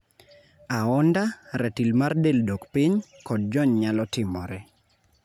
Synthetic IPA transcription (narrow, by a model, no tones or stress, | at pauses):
aɔndaɾɛtilmardeldokpiɲkɔd̚d͡ʒɔɲɲalɔtɪmɔɾɛ